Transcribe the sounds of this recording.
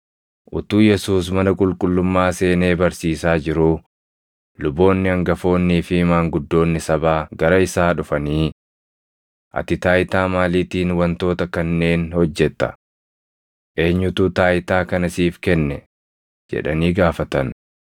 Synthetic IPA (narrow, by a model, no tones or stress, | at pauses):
ʔʊt̪uːjɛsuːs̬mɐnɐkʼʊlkʼʊlːʊmːaːse̞ːne̞ːbɐɾsiːsaːd͡ʒɪɾuː | lʊbːo̞ːnːɪɐŋɡɐfo̞ːnːiːfɪmaːŋɡʊd̪ːo̞ːnːɪsɐbaːɡɐɾɐɪsaːᶑʊfɐniː | ʔɐ̰t̪ɪt̪aːjɪt̪aːmaːliːt̪iːnwɐnt̪o̞ːt̪ɐkɐnːe̞ːnhɔd͡ʒːɛt̪ːɐ̥̰ | ʔe̞ːɲːʊt̪uːt̪aːjɪt̪aːkɐnɐsiːfkɛnːɛ | d͡ʒɛ̰ᶑɐ̰niːɡaːfɐt̪ɐn